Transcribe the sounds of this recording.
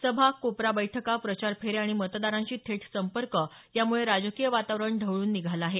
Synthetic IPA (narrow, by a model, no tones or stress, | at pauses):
səbʱakopɾabəjʈʰəkapɾət͡ɕaɾpʰeɾeaɽ̃imət̪d̪aɾãɲt͡ɕiːt̪ʰeʈʰsəmpəɾkə | jamuɭeɾad͡zkijəʋat̪aʋɾəɳɖʱəʋɭuːnːiɡʱalaɦe